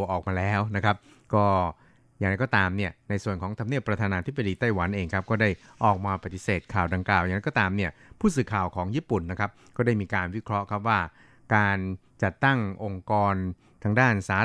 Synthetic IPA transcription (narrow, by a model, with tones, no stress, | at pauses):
ʔɔː˨˩k̚maː˧lɛː˦˥wna˦˥kʰa˦˥p̚ | kɔː˥˩ | ja˨˩ŋɾa˧˥jkɔː˥˩t̪aː˧mni˥˩əna˧jsu˨˩ənkʰɔː˩˦ŋt̪ʰa˧mni˥˩əpːɾa˧t̪ʰaː˧naː˧t̪ʰi˦˥p̚ːa˧diː˧t̪a˥˩jwa˩˦nʔeː˧ŋkʰa˦˥p̚kɔː˥˩da˥˩jʔɔː˨˩k̚maː˧pa˨t̪ːi˨˩seː˨˩t̪̚kʰaː˨˩wda˧ŋklaː˨˩wjaː˨˩ɾjkɔ˥˩t̪aː˧mni˥˩ɐpʰuː˥˩s̬ɯː˨˩kʰaː˨˩wkʰɔː˩˦ŋjiː˥˩pu˨˩nːa˦˥kʰa˦˥p̚kɔː˥˩da˥˩jmiː˧kaː˧nwi˦˥kʰɾɔ˦˥ʔkʰa˦˥p̚waː˥˩ | kaː˧n | t͡ɕa˨˩t̪ːa˥˩ŋʔo˧ŋkɔː˧n | t̪ʰaː˧ŋdaː˥˩nsaː˨˦˥